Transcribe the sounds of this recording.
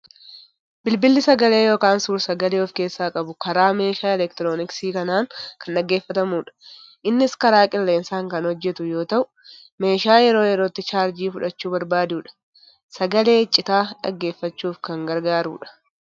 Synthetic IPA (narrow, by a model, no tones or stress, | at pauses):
bɪlbɪlːɪsɐɡɐle̞ːjo̞ːkaːnsuːɾsɐɡɐleːɔfke̞ːsːaːkʼɐbʊkɐɾaːme̞ːʃaːɛlɛkt̪ɪɾo̞ːnɪksiːkɐnaːŋkɐnᶑɐɡːe̞ːfːɐt̪ɐmuːᶑɐ̥ʔɪnːɪskɐɾaːkʼɪlːe̞ːnsaːŋkɐnhɔd͡ʒːɛt̪ʊjo̞ːt̪ɐʔʊ | me̞ːʃaːjɛɾo̞ːjɛɾoːt̪ːɪt͡ʃaːɾd͡ʒiːfʊᶑɐt͡ʃːuːbɐɾbaːd̪uːᶑɐ̥ | sɐɡɐle̞ːt͡ʃʼːɪt̪aːᶑɐ̰ɡːe̞ːfːɐt͡ʃːuːfkɐŋɡɐɾɡaːɾṵːᶑɐ̥